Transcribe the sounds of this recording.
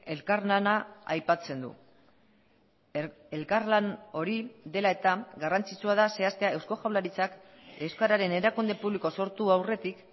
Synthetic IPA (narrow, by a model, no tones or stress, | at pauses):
e̞lkaɾnanaajpat͡se̞nd̪ṵ | e̞lkaɾlano̞ɾiðe̞lae̞t̪aɡarant͡sit͡suaðase̞ast̪eae̞wsko̞xawlaɾit͡sak | ewskaɾaɾe̞ne̞ɾakund̪e̞puβliko̞so̞ɾt̪uawre̞t̪ik